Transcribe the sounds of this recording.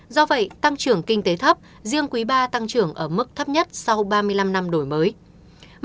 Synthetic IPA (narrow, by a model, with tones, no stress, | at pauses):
zɔ˧və̰˧˨jt̪a˧ŋt͡ɕɨ˨˧˩əŋkï˧ŋ̟t̪e˨˦t̪ʰə˦˥p̚ | zi˧əŋkwi˨˦ɓaː˧t̪a˧ŋt͡ɕɨ˧˩əŋʔəː˧˩mɨ˦˥k̚t̪ʰə˦˥p̚ɲə˦˥t̚sa˧wɓaː˧mɨ˧əjla˧mna˧mɗo˧˩jməː˨˦j